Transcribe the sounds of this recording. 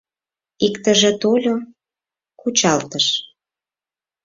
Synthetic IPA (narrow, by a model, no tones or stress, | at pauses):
ikt̪əʒĕt̪olʲo | kut͡ɕɑlt̪əʃ